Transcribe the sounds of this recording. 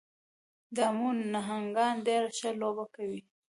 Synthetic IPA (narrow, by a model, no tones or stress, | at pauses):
d̪amunːaɦaŋɡɑnd̪eɾʃəlobakawi